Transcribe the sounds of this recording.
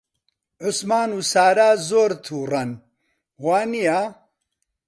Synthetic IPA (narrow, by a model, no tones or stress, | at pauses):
ʕʊsmaːnuːsaːɾaːzoːɾt̪ʰuːrɐn | waːnijaː